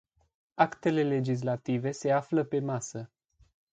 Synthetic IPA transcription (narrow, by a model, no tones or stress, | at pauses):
akt̪e̞le̞le̞d͡ʒis̬lat̪ive̞se̞afləpe̞masə